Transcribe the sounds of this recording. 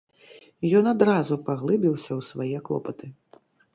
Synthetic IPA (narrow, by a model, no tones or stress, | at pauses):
jɔnad̪ɾazupaɣlˠɨbʲiwsʲɐwsvajɛklˠɔ̰pɐt̪ɨ